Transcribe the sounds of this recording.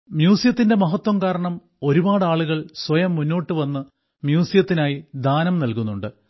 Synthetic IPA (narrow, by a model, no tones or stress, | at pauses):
mjuːsijɐt̪ːinde̞mɐɦɐt̪wɐmkaːɾɐɳɐm | o̞ɾubaːɽaːɭuɣɐɭswɐjɐmːunːo̞ːʈːɨʋɐnːɨ | mjuːsijɐt̪ːinaːjid̪ʱaːnɐmnɐlkunːuɳɖɨ